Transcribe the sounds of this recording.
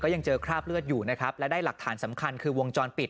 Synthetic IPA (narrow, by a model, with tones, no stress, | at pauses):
kɔː˥˩ja˧ŋt͡ɕɤː˧kʰɾaː˥˩p̚lɯ˥˩ət̪̚juː˨˩na˦˥kʰa˦˥p̚lɛ˦˥daː˥˩jla˨˩k̚t̪ʰaː˩˦nsa˩˦mkʰa˧nkʰɯː˧wo˧ŋt͡ɕɔː˧npi˨˩t̪